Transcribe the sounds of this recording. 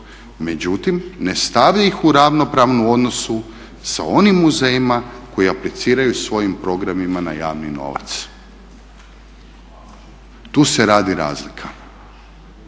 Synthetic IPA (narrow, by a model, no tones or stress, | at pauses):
me̞d͡ʑut̪imne̞st̪aʋʎaixuɾaʋno̞pɾaːʋnuo̞d̪no̞su | sa̰o̞nimːuzejimako̞jiaplit̪siːɾajusʋo̞jimpɾo̞ɡɾamimanajaːʋnino̞̰ʋa̰t̪s | t̪uːseɾaːd̪iɾa̰ːzlikʰa